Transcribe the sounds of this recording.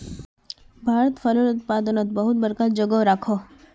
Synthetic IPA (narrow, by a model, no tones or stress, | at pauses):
bʱaːɾət̪fələlʊt̪̚paːd̪ənət̪bəɦʊt̪̚bəɾkad͡ʒəɡəɾakʰoː